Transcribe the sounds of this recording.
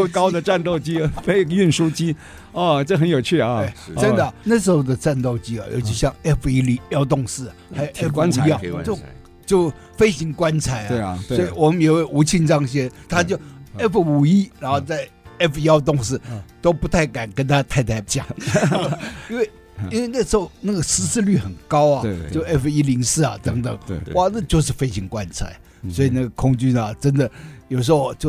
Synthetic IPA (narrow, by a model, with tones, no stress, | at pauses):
o˥˩kɑ˥ʊd̪ə˨ʈ͡ʂa˥˧nt̪o˥˩ʊt͡ɕi˥fe˥ɪy˥˩nʂu˥t͡ɕi˥ | ɔ˥˧ʈ͡ʂə˥˩xə˧˥njo˨˩ʊt͡ɕʰy˥˩ɐ˧e˥˩ɪə˥nd̪ə˨na˥˩ʂ̬ɻ̩˧˥xo˥˩ʊd̪ə˨ʈ͡ʂa˥˧nt̪o˥˩ʊt͡ɕi˥ɐ̰˨jo̰˧˥ʊɕʰi˧˥˧ɕjɑ˥˩ŋɛ˥˩fu˨i˥li˧˥jɑ˥ʊt̪ʊ˥˧ŋʂɹ̩˥˩˨xa˧˥ɪjo˨ʊɛ˥˩fa˥nʰ˧˥˧t͡ɕo˥˧ʊ | t͡ɕjo˥˩ʊ | fe˥ɪɕi˧˥ŋkwa˥nt͡sʰa˧˥ɪe˥˩sɔ˧˥i˨˩wɔ˨˩mə˦˧nje˨˩we˥˩ɪʔu˧˥t͡ɕʰi˥˧nʈ͡ʂɑ˥ŋɕ̬jɛ˥nt̪ʰa˥t͡ɕjo˥˩ʊɛ˥˩fu˨u˨˩i˥ɻa˧˥nxo˥˧ʊt͡sa˥˩ɪ | ɛ˥˩fi˧˥ɑ˥ʊt̪ʊ˥˧ŋʂɻ̩˥˩t̪o˥ʊpu˧˥t̪ʰa˥˩ɪka˨˩nkə˥nt̪ʰa˥˧t̪ʰa˥˧ɪt̪ʰa˥ɪt͡ɕjɑ̰˨˩˦ŋ | i˥nwe˥˩ɪ | i˥nwe˥˧ɪna˥˩ʂɻ̩˥xo˥˩ʊna˥˩ɡə˩sɹ̩˥ʂ̩˥˧ly˥˩xə˨˩nkɑ˥ʊɐ˨t͡ɕo˥˩ʊɛ˥˩fu˨˩i˥li˧˥ŋsɹ̩˥˩ɐ̰˨˩t̪ə˧˥ŋt̪ə˨˩˦ŋwa˥˧na˥˧t͡ɕjo˥˧ʊʂ̬ɻ̩˥˩fe˥ɪɕi˧˥ŋkwa˦˥nt͡sʰa̰˨˩˦ɪ | swɔ˧˥i˨˩na˥˩ɡə˩kʰʊ˥ŋt͡ɕy˥nɐ˨ʈ͡ʂə˥nd̪ə˨jo˨˩ʊʂ̬ɻ̩˧˥xo˧˩ʊt͡ɕjo˥˩ʊ